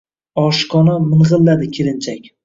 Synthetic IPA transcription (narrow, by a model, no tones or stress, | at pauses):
ɒʃqʰɒnamɪnʁɨlˠːad̪ɪkʲʰeɾɪnt͡ʃʰakʲ